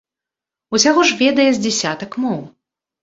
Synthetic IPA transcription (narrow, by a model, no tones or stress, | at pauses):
usʲaɣɔʐvʲɛd̪ɐjɛzʲd͡zʲɛsʲat̪ɐkmɔw